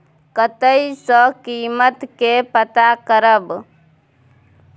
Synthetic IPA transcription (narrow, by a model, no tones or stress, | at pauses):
kət̪əisə̃kiːmət̪kepət̪akəɾəb